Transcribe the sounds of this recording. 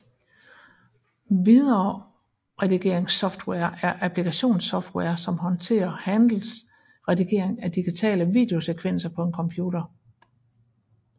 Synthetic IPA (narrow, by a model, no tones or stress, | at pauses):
ʋiðˠɐː | ʁɛd̥iɡ̥e̝ɐ̰e̝ŋsɒ̽fd̥weɐʔæɐʔæpʰlikʰæɕo̝̰ːnsɒ̽fd̥weɐsɒ̽mɦɒ̽nt͡sʰe̝̰ːɐhænd̥l̩s | ʁɛd̥iɡ̥e̝ɐ̰e̝ŋæd̥iɡ̥it͡sʰɛ̰ːləʋḭːd̥eo̝sekʰʋen̰sɐpʰɒ̽e̝nkʰɒ̽mpʰjuːd̥ɐ